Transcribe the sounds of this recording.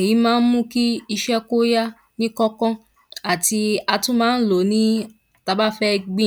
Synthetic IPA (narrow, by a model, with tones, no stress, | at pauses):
ji˨˦mãː˦˧n̩˦mũ˦ki˦i˧ʃɛ˦ko˦ja˦ | nĩ˦kɔ̃˦˧kɔ̃˧ | a˨ti˧a˧tũ˦mãː˨˦n̩˦lo˨nĩ˦ | ta˧ba˦fɛ˦ɡ͡bĩ˦